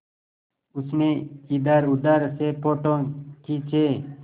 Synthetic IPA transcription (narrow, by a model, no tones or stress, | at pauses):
ʊsmẽːid̪aːɾʊd̪aːɾseːpoːʈõːkiːt͡ʃʰeː